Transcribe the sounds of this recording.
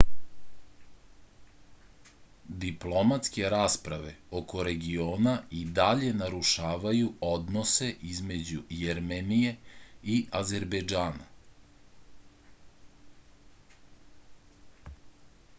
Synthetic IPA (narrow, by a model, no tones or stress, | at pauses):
d̪iplˠo̞mat̪ske̞ɾaːspɾaʋe̞o̞ko̞ɾe̞ɡioːnaid̪aʎe̞naɾuʃaːʋajuo̞d̪no̞se̞ʔizme̞d͡ʑujeɾmenije̞iʔaze̞ɾbed͡ʒaːna